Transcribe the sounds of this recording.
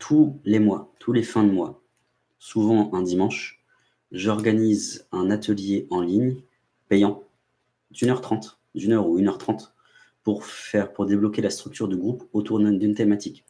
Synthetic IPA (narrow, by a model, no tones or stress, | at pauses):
t̪ʰulemwat̪ʰulefɛ̃d̪mwa | suvɑ̃ʔɛ̃d̪imɑ̃ʃ | ʒɔʁɡanizɛ̃nat̪ʰəljeɑ̃liɲ | pejɑ̃ | d̪ynœʁt̪χɑ̃t̪ | d̪ynœʁuynœʁt̪χɑ̃t̪ | puʁfɛʁpuʁd̪eblɔkʲelast̪χyk̚t̪yʁd̪yɡʁupot̪uʁd̪ynt̪emat̪ik